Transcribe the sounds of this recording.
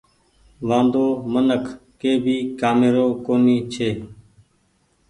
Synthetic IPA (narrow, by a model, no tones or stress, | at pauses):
ʋãːnd̪oːmənəkʰkeːbʱiːkaːmeːɾoːkoːniːt͡ʃʰeː